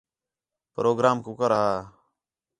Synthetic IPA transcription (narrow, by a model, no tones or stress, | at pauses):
pɾoːɡɾaːmkuːkəɾəɦaː